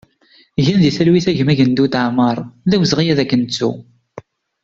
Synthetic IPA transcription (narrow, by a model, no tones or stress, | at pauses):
ʝænðiθælwiθæʝəmæʝənd̪ut̪əʕməɾˤðæwəzʁijæðækːənt͡sːṵ